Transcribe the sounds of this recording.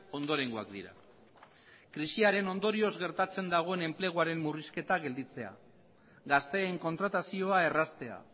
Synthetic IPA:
o̞nd̪o̞ɾe̞ŋɡua̰kd̪iɾa̰ | kɾisiaɾe̞no̞nd̪o̞ɾio̞zɣe̞ɾt̪at͡se̞nd̪aɣ̞o̞ene̞mple̞ɣ̞uaɾe̞mːuriske̞t̪aɣe̞ld̪it͡se̞a̰ | ɡast̪e̞ːŋko̞nt̪ɾat̪asio̞ae̞rast̪e̞a̰

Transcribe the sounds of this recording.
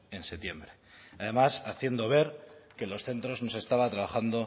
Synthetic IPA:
e̞nse̞t̪je̞mbɾeaðe̞masaθje̞nd̪o̞β̞e̞ɾke̞lo̞sθe̞nt̪ɾo̞zno̞se̞st̪aβat̪ɾaβ̞axand̪o̞

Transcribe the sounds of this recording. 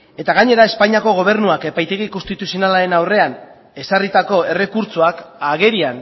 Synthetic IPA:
e̞t̪aɣ̞aɲe̞ɾae̞spaɲiako̞ɣ̞o̞β̞e̞ɾnuake̞pajt̪e̞ɣ̞ikost̪it̪usio̞nalaɾe̞nawre̞an | e̞sarit̪ako̞e̞re̞kuɾt͡suakaɣe̞ɾian

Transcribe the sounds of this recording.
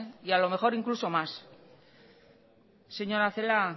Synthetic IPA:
ialo̞me̞xo̞ɾiŋkluso̞mas | se̞ɲo̞ɾaθe̞la

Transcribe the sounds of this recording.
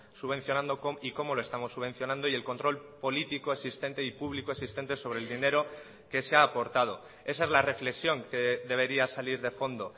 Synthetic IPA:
suβe̞n̟θjo̞nãnd̪o̞koiko̞mo̞loe̞st̪amo̞sːuβe̞n̟θjo̞nãnd̪oie̞lko̞nt̪ɾo̞lpo̞lit̪ikoeksist̪e̞nt̪e̞ipuβlikoesist̪e̞nt̪e̞so̞β̞ɾeld̪ine̞ɾo̞ | ke̞seaːpo̞ɾt̪að̞o̞ | e̞sae̞zlare̞fle̞ksjo̞ŋke̞ðe̞β̞e̞ɾiasaliɾðe̞fo̞nd̪o̞

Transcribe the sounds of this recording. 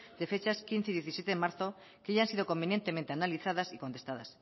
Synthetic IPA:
d̪e̞fe̞t͡ʃaskin̟θeðjeθisje̞t̪eðemaɾθo | keʝaansiðoko̞mbe̞nje̞nt̪e̞ment̪e̞analiθað̞asikont̪e̞st̪aða̰s

